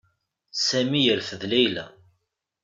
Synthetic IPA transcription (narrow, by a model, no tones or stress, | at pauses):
sæmijəɾfəðlæjlæ̰